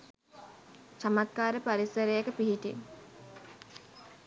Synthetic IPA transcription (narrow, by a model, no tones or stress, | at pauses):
t͡ʃamat̪̚kaːɾəpaɾisəɾəjekəpiɦiʈḭ